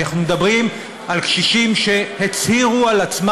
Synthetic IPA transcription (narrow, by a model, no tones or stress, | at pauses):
aχnumed̪abʁim | alkʃiʃimʃe̞het͡shiʁualat͡sm